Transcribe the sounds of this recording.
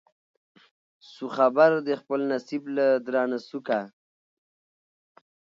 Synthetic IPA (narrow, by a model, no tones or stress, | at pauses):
suxabaɾd̪əxpəlnasiblad̪ɾɑːnasuka